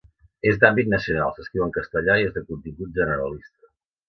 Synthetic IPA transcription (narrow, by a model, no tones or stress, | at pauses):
ezd̪ambit̪nəsiuna̰lˠsəskɾiwəŋkəst̪əʎaiezðəkunt̪imbut̪̚ʒənəɾəlist̪ə